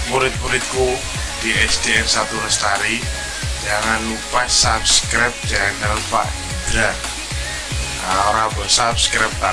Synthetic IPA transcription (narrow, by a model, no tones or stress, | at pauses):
muɾɪt̪̚muɾɪt̪̚ku | d̪̥iʔɛsd̪iɛnsat̪uɾəst̪aɾi | d͡ʒaŋanupasapskɾap̚d͡ʒaŋant̪əlfa̰ʔ | dɾa | aoɾabɔsapskɾap̚t̪a